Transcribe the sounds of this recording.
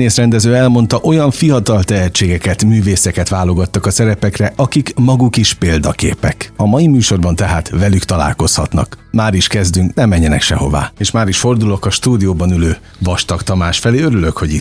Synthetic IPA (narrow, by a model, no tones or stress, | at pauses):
neːsrɛnd̪ɛzøːɛlmo̞n̪t̪ɒʔo̞jɒɱfijɒt̪ɒlt̪ɛɦɛt͡ʃːeːɡɛkɛt̪myːveːsɛkɛt̪ʋaːlo̞ɡɒt̪ːɒkɒsɛɾɛpɛkrɛʔɒkikmɒɡukiʃpeːld̪ɒkḛːpɛkɒmɒjimyːʃo̞rbɒnt̪ɛɦaːt̪vɛlykt̪ɒla̰ːlko̞shɒt̪nɒ̰kmaːɾiʃkɛzd̪yŋknɛmɛɲːɛnɛ̰kʃɛho̞̰va̰ːeːʃmaːɾiʃfo̞rd̪ulo̞kɒʃt̪uːd̪ijoːbɒnyløː | vɒʃt̪ɒkt̪ɒmaːʃfɛleːøɾylø̞kho̞ɟit̪